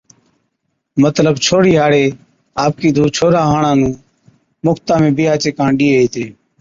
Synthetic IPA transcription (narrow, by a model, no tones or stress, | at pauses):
mət̪ləbt͡ʃʰoːɽiːɦaːɽeː | aːp̚kiːd̪ʱuːt͡ʃʰoːɾaːɦaːɳãːnũː | mʊkt̪ãːmẽːbɪːaːt͡ʃeːkãːɳɗiːeɦeːt̪eː